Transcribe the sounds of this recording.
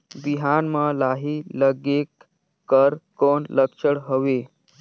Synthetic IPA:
biɦanməlaɦiːləɡekː | əɾkonləkʂəɽɦəʋe

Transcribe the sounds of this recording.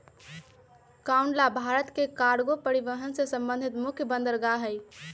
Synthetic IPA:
kauɳɖlabʱaɾət̪kekaɽɡopəɾiʋəɦənsesə̃mbə̃nd̪ʱit̪mʊkʰjəbə̃nd̪əɾɡaɦəj

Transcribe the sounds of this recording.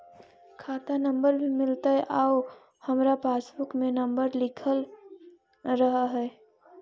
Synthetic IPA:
kʰaːt̪anɐ̃mbəɾbʱimɪlt̪aɦɛʔaːo | hɐmɾapaːsbʊkmẽnə̃mbəɾlɪkʰəl | ɾəɦaɦɛː

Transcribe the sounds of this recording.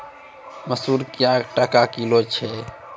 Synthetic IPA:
məsuɾkijakʈakakilot͡ʃʰɛ

